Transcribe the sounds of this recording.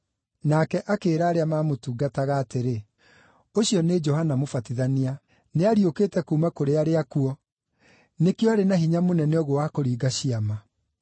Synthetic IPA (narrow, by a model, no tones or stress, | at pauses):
nakɛʔakeːɾaːɾeamaːmotuːɡataɣaːteɾe | oɕiɔned͡ʒɔɦanamofatiðania | neaɾiokeːtɛkumakoɾeaɾeakuɔ | nekjɔaɾenaɦiɲamonɛnɛoɣowakoɾiːɡaɕiama